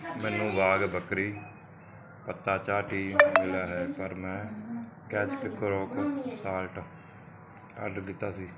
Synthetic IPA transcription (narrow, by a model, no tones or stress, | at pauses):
mɛːnũːʋaːɡbəkɾiː | pət̪ːaːt͡ʃaːʈiːɡɪlaːɦɛːpəɾmɛ̃ː | kɛːt͡ʃpɪkʰːəɾoːksaːlʈ | ə̰ɖɾɡɪt̪ːaːsiː